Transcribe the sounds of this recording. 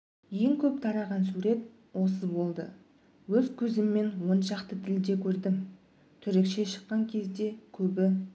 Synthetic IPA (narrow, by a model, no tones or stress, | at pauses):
je̞ŋkʲʰɵp̚t̪ʰɑɾɑʁɑnsuɾe̞t̪ | wo̞səzbo̞lˠd̪ə̰ | wɵzkʲʰɵzɪmːe̞nwo̞nʃɑqt̪ət̪ʰɪld̪e̞kʲʰɵɾd̪ɪm | t̪ʰʏɾekʃe̞ʃə̥qːɑŋkʲʰe̞zd̪e̞kʲʰɵbɪ